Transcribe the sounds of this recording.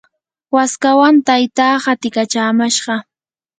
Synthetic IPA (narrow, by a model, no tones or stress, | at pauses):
waskawant̪ajt̪aːhat̪ɪkat͡ʃaːmaʃɢɑ